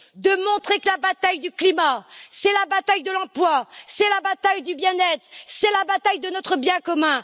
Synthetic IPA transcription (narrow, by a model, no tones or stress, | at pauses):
d̪əmɔ̃t̪χekəlabat̪ajd̪yklimasɛlabat̪ajd̪əlɑ̃plwasɛlabat̪ajd̪ybjɛ̃nɛt̪χsɛlabat̪ajd̪ənɔt̪χəbjɛ̃kɔmɛ̃